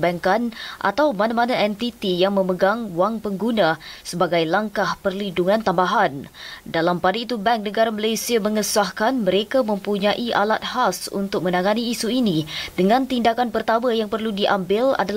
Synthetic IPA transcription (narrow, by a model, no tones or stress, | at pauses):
bɛŋkanʔa̰t̪awmanamanaɛnt̪it̪ijaŋmə̃məɡaŋwaŋpəŋɡunãsəbaɡajlaŋkahpərliduŋãnt̪ambaɦandalampadait̪ubɛŋk̚nəɡaɾaməlajsiaməŋəsahkanməɾekamə̃mpuɲaʔiʔalat̪̚hasṵnt̪ʊk̚mə̃naŋaniːsuinĩdəŋãnt̪indakanpərt̪amajaŋpərludiʔambɪla̰dal